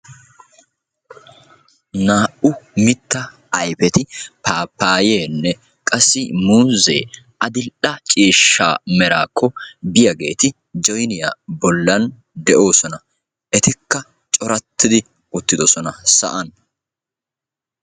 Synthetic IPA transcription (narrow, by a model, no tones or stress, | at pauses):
naːʔʊmɪt̪ːɐ | ɐjpɛt̪ɪpaːpːaːjeːnːɛ | kʼɐsːɪmuːzḛː | ʔɐd̪ɪlᶑɐt͡ʃʼiːʃːa̰ːmɛɾa̰ːkːɔbɪjɐɡe̞̰ːt̪ɪ | d͡ʒɔjnɪja̰bɔlːɐn | d̪ɛʔo̞ːsɔnɐ | ʔɛt̪ɪkːɐ | t͡ʃʼɔɾɐt̪ʰːɪd̪ɪ | ʊt̪ːɪd̪ɔsɔnɐsɐ̰ʔɐn